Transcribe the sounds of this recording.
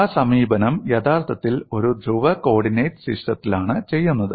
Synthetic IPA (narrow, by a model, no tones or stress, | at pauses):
asɐmiːbɐnɐmjɐt̪ʰaːrt̪ʰɐt̪ːilo̞ɾud̪ʱɾuʋɐko̞ːɽinejʈsiʂʈɐt̪ːilaːɳɨt͡ɕe̞jːunːɐðɨ